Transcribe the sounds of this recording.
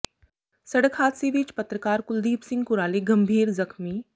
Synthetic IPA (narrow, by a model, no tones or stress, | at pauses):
sɐɽəkʰaːt̪siʋit͡ʃpɐt̪ɾəkaːɾkʊld̪iːpsɪ̃ŋɡkʊɾaːleɡɐ̃mbʱiːɾzɐkmi